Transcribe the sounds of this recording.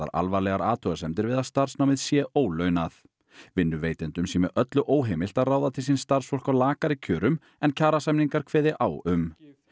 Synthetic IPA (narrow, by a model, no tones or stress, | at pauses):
a̰ɾa̰lvaɾlɛɣaɾaːt̪ʰœɣasɛmt̪ɪɾvɪðaðst̪ar̥snawmɪðsjɛʔoːwlœɥnaθ | vɪnːʏveːjt̪ɪnt̪ʏmsiːmɪʔœt̪lʏʔoːwɦejmɪl̥t̪aðraːwðat̪ʰɪlsinst̪ar̥sfɔr̥kawlaːkaɾicʰœːɾʏm | ɛncʰaːɾasajmniŋkaɾ̥kʰvɛːðɪʔawʏm